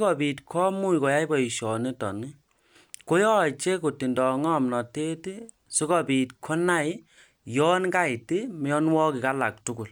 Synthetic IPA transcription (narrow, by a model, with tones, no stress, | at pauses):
kɔ˨pi˨tkʰɔ˦mu˦˨kɔ˨ja˦i˦bɔ˨i˨ʃɔ˨ne˦tɔ̰˨ni˦ | ko˦jɔ˦˨t͡ʃe˦ko˨ti˨ndɔ˨ŋɔ˦˨mnɔ˨te˦ti˦ | si˦kɔ˨pi˨t̚kʰɔ˦na˦ji˦ | jɔ˦nka˦i˨ti˦m˦jɔ˦nwɔ˦ki˨ka˦la˨k̚tu˦ku˨l